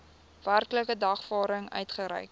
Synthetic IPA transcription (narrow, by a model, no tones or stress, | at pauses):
værkləkədɐχfɑːɾəŋœ̰ɥtχəɾɛ̰jk